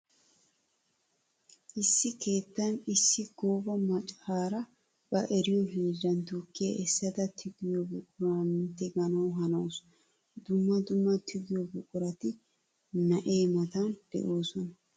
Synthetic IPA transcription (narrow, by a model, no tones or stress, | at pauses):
ʔɪsːɪkʰe̞ːt̪ːɐnɪsːɪɡoːbɐmɐt͡ʃʼhaːɾɐ | b̥ɐʔɛɾɪjɔɦiːd͡ʒɐnt̪ukːɪjɐʔɛsːɐt̪ɐt̪ʰɪɡɪjɔbʊkʼʊɾaːmɪnt̪ɛɡɐnɐwɦɐnows | d̪ʊmːɐd̪ʊmːɐt̪ʰɪɡɪjɔbʊkʼʊɾɐt̪ɪ | nɐʔe̞ːmɐt̪ɐnd̪̥ɛ̰ʔoːsɔnɐ